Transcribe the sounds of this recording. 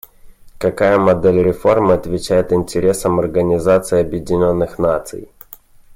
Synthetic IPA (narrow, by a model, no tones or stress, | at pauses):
kɐkajəmɐd̪elʲɾʲɪfo̞rmɨɐt̪vʲɪt͡ɕæjɪt̪ɪnʲtʲɪɾʲe̞səmɐrɡənʲɪzat̪sɨɪɐbjɪdʲɪnʲo̞nːɨxnat̪sɨ̰j